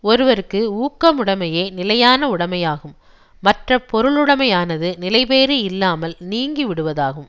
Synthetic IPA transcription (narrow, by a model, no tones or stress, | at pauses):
ɔɾɯʋɐɾɯkːɯuːkːɐmʊɽɐmɐjeːnɪlɐjaːnɐʊɽɐmɐjaːɣɯmː | ɐʈrɐpːɔɾɯɭɯɽɐmɐjaːnɐðɯnɪlɐɪpeːɾɯɪlːaːmɐlniːŋɡiʋɪɽɯʋɐðaːɣɯm